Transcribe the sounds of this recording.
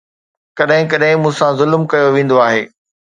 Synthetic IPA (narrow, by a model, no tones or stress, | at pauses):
kɐɗɦɪ̃k̬ɐɗɦɪ̃mũːsãzʊlmkɐjoʋẽːn̆d̪oaːɦeː